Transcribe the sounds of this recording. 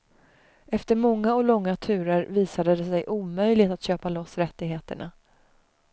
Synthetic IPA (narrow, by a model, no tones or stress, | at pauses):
ɛft̪əɾmɔŋːaɔlɔŋːat̪ʰʉ̟ːɾəɾviːsad̪əd̪ɛsɛjʔuːmœjlɪɡt̪at̪ɕøːpalɔsːɾɛt̪ːɪɡɦeːt̪ə̰ɳa̰